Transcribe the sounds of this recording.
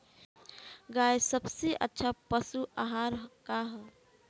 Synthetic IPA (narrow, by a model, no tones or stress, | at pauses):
ɡaesəbseʔə̰tːʃʰapəsuʔaɦaɾkaɦ